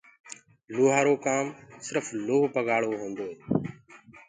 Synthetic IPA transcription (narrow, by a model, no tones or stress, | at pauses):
loːɦaːɾoːkaːmsɪɾfloːpəɡaːɽoːɦõːnd̪oːeː